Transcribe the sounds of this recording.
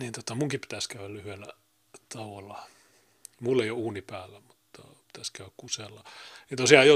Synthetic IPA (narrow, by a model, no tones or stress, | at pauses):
niːnt̪ot̪ɑmuŋkipi̥t̪æskæyællyhyelːæ | t̪ɑʋolːɑ | mulːeijouːnipæːlːæmut̪ːɑ̰pi̥t̪æskæyækkuselːɑnint̪osiɑːjo